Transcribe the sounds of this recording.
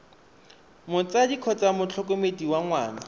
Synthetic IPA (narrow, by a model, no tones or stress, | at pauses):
mʊt͡sadikʰɔt͡samʊt͡ɬʰɔkomediwaŋwaːna